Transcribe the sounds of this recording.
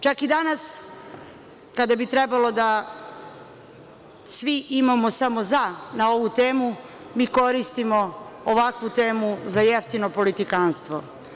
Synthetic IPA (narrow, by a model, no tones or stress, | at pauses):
t͡ʃakid̪anas | kad̪abit̪ɾebalo̞d̪a | sʋiʔimamo̞samo̞zanao̞ʋut̪eːmu | miːko̞ɾist̪imo̞oʋakʋut̪e̞ːmuzajeft̪ino̞po̞lit̪ikaːnst̪ʋo̞